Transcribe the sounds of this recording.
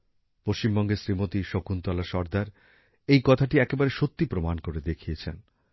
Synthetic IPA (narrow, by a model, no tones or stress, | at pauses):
poʃt͡ɕimbɔŋɡeʃɾimot̪iʃokunt̪ɔlaʃɔɾd̪aɾ | ejkɔt̪ʰaʈiɛkebaɾeʃot̪ːipɾomankoɾed̪ekʰijet͡ɕʰen